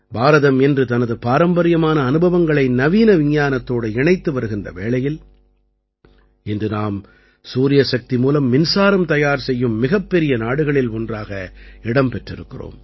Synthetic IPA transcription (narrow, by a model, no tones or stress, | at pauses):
bʱaːɾɐðɐmɛndrɯt̪ɐnɐðɯpaːɾɐmbɐɾɪjɐmaːnɐːnɯbʱɐʋɐŋɡɐɭɐɪnɐʋiːnɐʋɪɲjaːnɐt̪ːoːɽɯɪɳɐɪt̪ːɯʋɐɾɯɣɪndrɐ̰ʋeːɭɐjɪl | ɪndrɯnaːm | suːɾɪjɐsɐk̚t̪imuːlɐmːɪnsaːɾɐmt̪ɐjaːɾsɛjːɯmːɪɣɐpːɛɾɪjɐnaːɽɯɣɐɭɪlɔndraːɣɐɪɽɐmpɛʈrɪɾɯkːɪro̰ːm